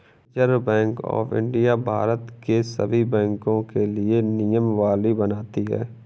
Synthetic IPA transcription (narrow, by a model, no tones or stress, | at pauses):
d͡ʒəɾbɛ̃ːŋkɔ̰ːfʰɪ̰̃ɳɖijabʱa̰ːɾət̪kesə̰bʱibɛ̃ːŋkõkelienɪjəmʋaːlibənaːt̪iɦɛ̰ː